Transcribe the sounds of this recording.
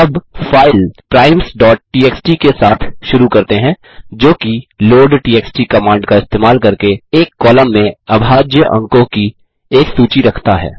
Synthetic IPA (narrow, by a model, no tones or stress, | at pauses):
ɐbfaːɪlpɾaːɪmsɖɔːʈ̚ʈiːeːksʈikesaːt̪ʰʃʊɾukɐɾt̪eɦɛ̃ː | d͡ʒoːkiloːɖʈiːeːksʈikɐmãːɳɖkaɪst̪eːmaːlkɐɾkeeːkːɔːləmːẽɐbʱaːd͡ʒjəʔɐ̰̃ŋkõki | eːksuːt͡ʃiɾɐkʰt̪aɦɛ̰ː